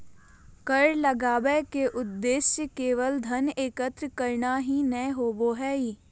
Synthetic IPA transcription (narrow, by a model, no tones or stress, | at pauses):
kɐɾlɐɡaːʋekeʔʊd̪ːeːʃjəkeːʋəld̪ʱɐneːkət̪ɾkəɾnaɦinɛɦoːboɦɛːiː